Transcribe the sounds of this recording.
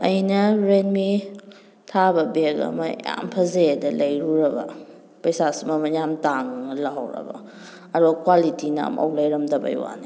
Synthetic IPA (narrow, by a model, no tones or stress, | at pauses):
ɐjnɐɾenmi | tʰabɐbeɡɐ̰mɐja̰mpʰɐzedɐlɐjɾuɾɐbɐ̰ | pɐjsasimɐmɐjamtaŋlaɦawɾɐ̰bɐ̰ | ɐduɡɐkwalitina̰mʔɐ̰wlɐjɾɐmdɐbɐ̰jwa̰ni